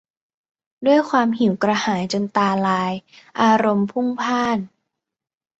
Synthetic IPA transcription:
du˥˩əjkʰwaː˧mɦi˨˩˦wkɾa˧haː˩˦jt͡ɕo˧nt̪aː˧laː˧j | ʔaː˧ɾo˧mpʰu˥˩ŋpʰaː˥˩n

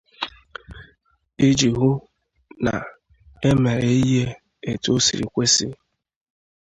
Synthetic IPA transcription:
i˦d͡ʒi˨ɦʊ˦ | na̰˨ | e˦me˨ɾe˨i˦ɦe˦ | e˨to˦sḭ˨ɾḭ˨kʷe˦sḭ˦

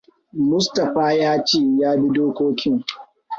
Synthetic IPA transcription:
mʊ˦stɐ˨ɸaː˦jaː˦t͡ʃeː˦˨jaː˦bi˦doː˦kʷoː˦kʲɪ˦ŋ

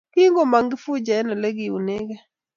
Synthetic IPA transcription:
kɪ˦ŋɡo˦˨ma˨ŋɡɪ˦fu˦d͡ʒa˨ɛ˦na˨le˦ɡɪ˨u˨ne˦ɡɛ˦

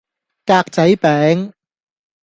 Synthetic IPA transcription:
kaː˧k̚t͡sɐ˨˥jpɛː˨˥ŋ

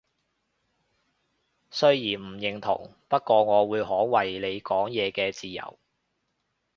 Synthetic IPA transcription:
sɵ˥ɥjiː˨˩nm̩˨˩jɪ˨˩ŋt̪ʰʊ̰˨˩ŋpɐ˥t̚kːɔː˧ŋɔː˨˧wuː˨˧jɦɔː˨˥wɐ˨jle˨˧jkɔː˨˥ŋjɛː˨˧kɛː˧t͡siː˨jɐ̰˨˩w

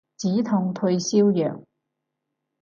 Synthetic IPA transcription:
t͡siː˨˥t̪ʰʊ˧ŋt̪ʰɵ˧ɥsiː˥wjœː˨˩ŋ

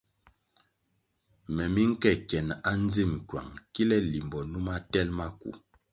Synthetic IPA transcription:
mɛ˨mi˦ŋ̩˦kɛ˦˨kjɛ˨n˨a˦n˦d͡zi˦˨m˨kwa̰˨ŋki˦lɛ˦li˨mbɔ˨nu˦ma˦tɛ˦lma˦kṵ˨

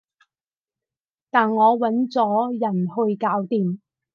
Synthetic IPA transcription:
t̪aː˨nŋɔː˨˧wɐ˨˥nt͡sɔː˨˥jɐ˨˩nhɵ˧ɥkaː˨˥wt̪iː˨m

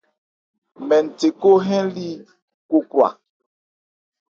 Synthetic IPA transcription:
mɛ˨n̩˨te˨ko˦ɦɛ̃˦li˦ | ko˦kwa̰˨

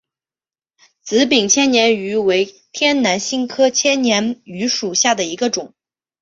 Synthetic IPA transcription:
t͡sɹ̩˧˥pi˨˩ŋt͡ɕʰjɛ˥nnjɛ˧˥ny˧˥we˧˥ɪ | t̪ʰjɛ˥nna˧˥nɕi˥˧ŋkʰɤ˥t͡ɕʰjɛ˥nnjɛ˧˥ny˧˥ʂu˨˩ɕja˥˩d̪ə˩i˧˥ɡə˧ʈ͡ʂʊ˨˩˦ŋ

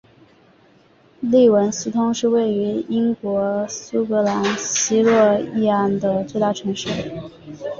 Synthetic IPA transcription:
li˥˩wə˧˥ns̩˥t̪ʰʊ˥ŋʂɻ̩˥˧we˥˩ɪy˧˥i˥ŋkwɔ˧˥su˥kɤ˧˥la˧˥nɕi˥lwɔ˥˧i˥˧a˥˩nd̪ə˩t͡swe˥˧ɪt̪a˥˩ʈ͡ʂʰɤ˧˥ŋʂɻ̩˥˩

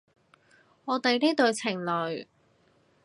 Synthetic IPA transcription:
ŋɔː˨˧t̪e˨˧jniː˥t̪ɵ˨˧ɥt͡sʰɪ˨˩ŋlɵ˨ɥ

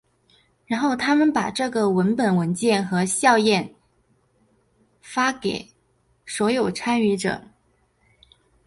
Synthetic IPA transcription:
ɻa˧˥nxo˥˩ʊt̪ʰa˥mə˨npa˨˩ʈ͡ʂɤ˥˩ɡə˩wə˧˥npə˨˩nwə˧˥nt͡ɕjɛ˥˩nxɤ˧˥ɕjɑ˥˧ʊjɛ˥˩n | fa˥ke˨˩ɪ | swɔ˧˥jo˨˩ʊʈ͡ʂʰa˥ny˧˥ʈ͡ʂɤ̰˨˩˦

